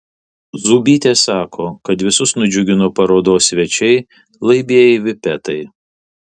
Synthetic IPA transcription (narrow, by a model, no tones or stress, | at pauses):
zuːbʲiːt̪ʲeːsɑːkʰoːkɐt̪ʋʲɪsʊsnʊd͡ʒʲʊɡʲɪnopɐɾoːd̪oːsʲʋʲɛt͡ʃʲɛɪ | lˠɐɪbʲeɛjɛʋʲɪpʲɛt̪ɐɪ